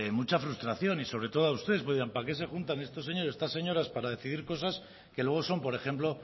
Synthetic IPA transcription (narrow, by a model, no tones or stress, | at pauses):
emut͡ʃafɾust̪ɾaθjo̞niso̞βɾe̞t̪o̞ðoaust̪ee̞s̬poðiampake̞s̬e̞xunt̪ane̞st̪o̞s̬ːe̞ɲoɾest̪ase̞ɲo̞ɾaspaɾaðe̞θiðiɾko̞sas | ke̞lwe̞ɣ̞o̞so̞mpo̞ɾe̞xe̞mplo̞